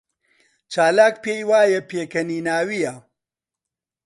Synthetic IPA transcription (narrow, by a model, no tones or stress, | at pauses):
t͡ʃaːlaːkpeːjwaːjɐpʰeːkɐniːnaːwijɐ